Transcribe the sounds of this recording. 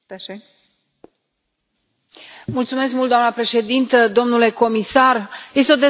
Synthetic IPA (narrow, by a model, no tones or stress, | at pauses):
mult̪sume̞skmult̪d̪oamnəpɾe̞ʃe̞d̪int̪əd̪o̞mnule̞ko̞misarje̞s̬t̪eo̞d̪e̞